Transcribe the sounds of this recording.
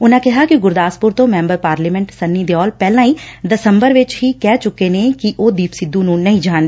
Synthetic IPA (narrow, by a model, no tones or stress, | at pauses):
ʊnãːkɪɦaːkɪɡʊɾd̪aːspʊɾt̪õːmɛ̃ːmbəɾpaːɾliːmɛ̃ɳʈsənːiːd̪eːɔːlpɛːlãːiːd̪əsəmbəɾʋɪt͡ʃɦiːkɛːt͡ʃʊkːeːneːkɪʔoːd̪iːpsɪd̪ːũːnũːnəĩːd͡ʒaːnd̪e